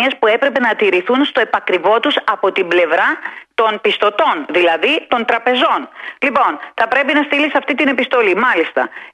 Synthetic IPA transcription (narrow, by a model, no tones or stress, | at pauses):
ɐspue̞pɾe̞pe̞nɐt̪iɾiθunst̪o̞e̞pɐkɾivo̞t̪usɐpo̞t̪imble̞vɾɐt̪o̞npist̪o̞t̪o̞nðilɐðit̪o̞nt̪ɾɐpe̞zo̞nlipo̞nθɐpɾe̞pinɐst̪ilisɐft̪it̪ine̞pist̪o̞limɐlist̪ɐ̰